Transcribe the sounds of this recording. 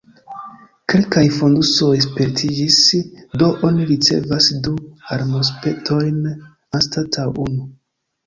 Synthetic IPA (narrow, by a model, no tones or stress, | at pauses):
ke̞lkajfo̞nduso̞jspe̞ɾtʰid͡ʒisdo̞ʔoniɾit͡se̞̰vasduaɾmos̬pe̞ktʰo̞jn | anstatʰawʔunu